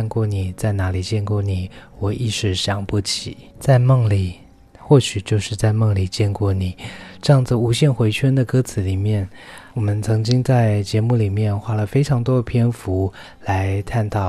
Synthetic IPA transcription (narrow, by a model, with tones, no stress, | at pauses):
nkwɔ˥˩ni˨˩t͡sa˥˩ɪna˧˥li˨˩t͡ɕjɛ˥˧nkwɔ˥˩ni˨˩˦wɔ˨˩ʔi˥˧ʂɻ̩˥˩ɕjɑ˨˩ŋpu˥˩t͡ɕʰi˨˩˦ | t͡sa˥˧ɪmɤ˥˩ŋli˨˩ | xwɔ˥˩ɕy˨˩t͡ɕjo˥˧ʊʂɻ̩˥˧t͡sa˥˧ɪmɤ˥˩ŋli˨˩t͡ɕjɛ˥˧nkwɔ˥˩ni˨˩˦ʈ͡ʂɤ˥˧jɑ˥˩ŋd͡z̩˨˩u˧˥ɕjɛ˥˩nxwe˧˥ɪt͡ɕʰɥɛ˥nd̪ə˨kɤ˥t͡sʰɹ̩˨˧˥li˨˩mjɛ˥˩n | wɔ˨˩mə˧˦nt͡sʰɤ˧˥ŋt͡ɕi˥ŋt͡sa˥˩ɪt͡ɕjɛ˧˥mu˥˩li˨˩mjɛ˥˧nxwa˥lə˨fe˥ɪʈ͡ʂʰɑ˧˥ŋt̪wɔ˥pʰjɛ˥nfu˧˥ | la˧˥ɪt̪ʰa˥˧nt̪ʰɑ˥˩